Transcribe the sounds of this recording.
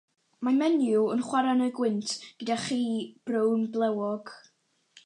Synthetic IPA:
mamɛnjuənχwaɾanəɨɡwɪntʰɡ̥ədaχiːb̥rownblˠɛwɔɡ̥

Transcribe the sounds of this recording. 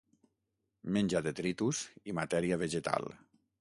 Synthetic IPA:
menʲd͡ʒaðet̪ɾit̪uzimat̪ɛɾiaβeʒet̪a̰lˠ

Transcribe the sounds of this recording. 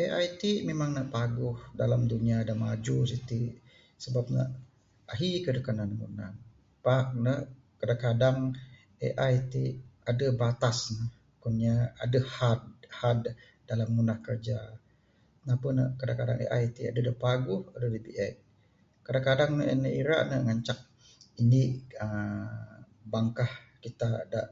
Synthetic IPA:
ʔeʔa̰jt̪imemaŋnəʔpaɡʊhdalamduniadanmad͡ʒusit̪i | səbap̚nə̰ʔ | aɦikədəkananəmṵna̰n | paʔnə | kadakadaŋ | ḛʔajt̪iadəbat̪asnəh | kuniaa̰dəhad̚had̚ | dalamːunahkərd͡ʒa | napənə̰kadakada̰ŋḛʔa̰jt̪ia̰dədəpaɡʊhadədəbiʔɛt̚ | kadaŋkadaŋnəʔnəiɾa̰ʔnəŋaɲt͡ʃak̚ | iniʔə | baŋkah | kit̪adaʔ

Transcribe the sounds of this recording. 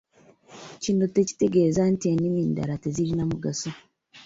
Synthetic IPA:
ciːnuteci̥te̞ɡe̞ːzantieniminda̰ɾateziɾinamuɡaso

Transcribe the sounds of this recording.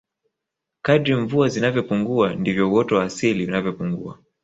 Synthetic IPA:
kadɾiɱvuazinavjɔpuŋɡuandivjɔuwɔtɔwaːsiliunavjɔpuŋɡua̰

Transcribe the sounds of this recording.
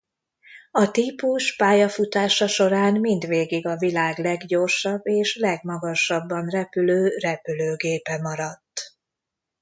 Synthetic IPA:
ɒt̪ipuʃpaːjɒfut̪aːʃɒʃo̞ɾaːnmind̪ʋeːɡiɡɒvilaːɡlɛɡɟo̞rʃɒbːeːʃlɛɡmɒɡɒʃɒbːɒnrɛpyløːrɛpyløːɡeːpɛmɒɾɒt̪ː

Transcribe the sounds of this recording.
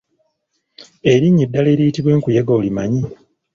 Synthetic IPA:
e̞ɾiɲːidːale̞ːɾijitiβwe̞ːŋkujeɡolimaɲi

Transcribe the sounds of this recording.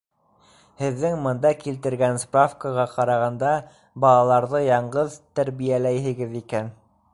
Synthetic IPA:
hɘ̆ðːɘŋmɤ̆nd̪ɑkilt̪ɘ̆ɾɡænsprafkəʁɑqɑɾɑʁɑnd̪ɑ | bɑlˠɑlˠɑɾðɤjɑɴɢɤðt̪æɾβijælæjɦɘ̆ɡɘðikæn

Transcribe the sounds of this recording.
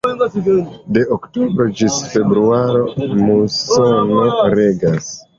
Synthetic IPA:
de̞ʔoktobɾo̞d͡ʒisfe̞bɾuaɾo̞musonoɾe̞ɡas

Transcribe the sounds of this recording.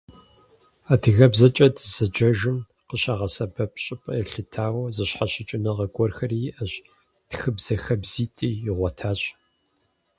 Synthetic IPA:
aːdʰɨɣɐbzɐt͡ʃʼɐdʰz̥ɐd͡ʒɐʒɨm | qəɕaʁɐsɐbɐpɕʼɪpʼɐɛɬɨtʰaːwɐzɨɕħaɕɪt͡ʃʼɪnɐʁɐɡʷɔrxɐrijʔɐɕ | txɨbz̥ɐxɐbz̥iːtʼiːjɪʁʷɔtʰaːɕʼ

